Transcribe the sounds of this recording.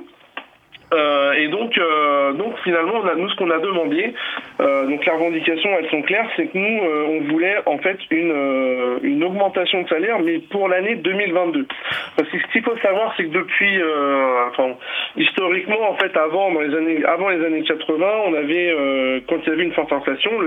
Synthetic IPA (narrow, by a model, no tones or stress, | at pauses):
øed̪ɔ̃kød̪ɔ̃kfinalmɑ̃ɔ̃nanusə̥kɔ̃nad̪əmɑ̃d̪eød̪ɔ̃kleʁəvɑ̃d̪ikʲasjɔ̃ɛlsɔ̃klɛʁsɛkənuøɔ̃vulɛʔɑ̃fɛt̪ynøynɔɡmɑ̃t̪asjɔ̃d̪əsalɛʁmɛpuʁlaned̪ømilvɛ̃t̪̚d̪øɑ̃fɛ̃siskʲifosavwaʁsɛkəd̪əpɥiø̃fɛ̃ist̪ɔʁikmɑ̃ːfɛt̪avɑ̃d̪ɑ̃lezanea̰vɑ̃lezanekat̪χəvɛ̃ɔ̃navɛøkɑ̃t̪iljavɛynfɔʁt̪ɛ̃flasjɔ̃